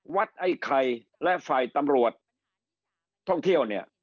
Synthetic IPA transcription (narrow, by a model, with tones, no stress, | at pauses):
wa˦˥t̪̚ʔa˧˩jkʰa˧j | lɛ˦˥faː˨˩jt̪a˧mɾu˨˩ət̪̚ | ɔ˥˩ŋt̪ʰi˥˩əwni˥˩ɐ